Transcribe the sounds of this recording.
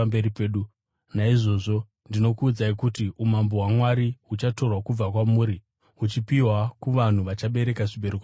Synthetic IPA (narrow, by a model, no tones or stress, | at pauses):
mbeɾipeːɗu | naiʐo̞ʐo̞ | ndino̞kuːd͡zaikutiumamboɦwamwaɾiɦut͡ʃato̞rwakub͡vakwamuːɾi | ut͡ʃipiwakuʋan̤uʋat͡ʃaɓe̞ɾe̞kaʐibeɾuk